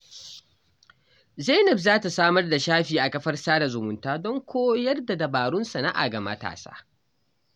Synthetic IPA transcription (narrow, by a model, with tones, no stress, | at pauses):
za˦nɛ˨bzaː˦ta˨saː˦mɐ˦rda˨ʃaː˦ɸiː˨ʔa˨kɐ˦ɸɐ˦rsaː˦da˨zʊ˨mʊ˨ntaː˦dɔ˦ŋkʷʰoː˦jɐ˦rda˨dɐ˨baː˨ɽʊ˦nsa˨na˦ʔa̰˨ɡɐ˨mɐ̰˦ta̰ː˨sa̰ː˦